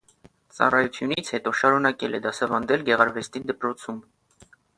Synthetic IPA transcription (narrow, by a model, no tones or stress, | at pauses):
t͡sɑ̰rɑjut͡sʰjunit͡sʰhɛt̪ɔʃɑɾunɑkɛlɛd̪ɑsɑvɑnd̪ɛlɡɛʁɑɾvɛst̪id̪əpɾɔt͡sʰum